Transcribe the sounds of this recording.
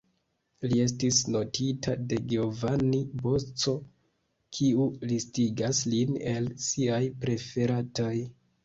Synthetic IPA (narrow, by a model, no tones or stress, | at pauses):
lie̞s̬tisno̞tʰitʰade̞ɡeovanibo̞t͡so̞ | kʰiulistiɡasline̞lsiajpɾe̞fe̞ɾatoj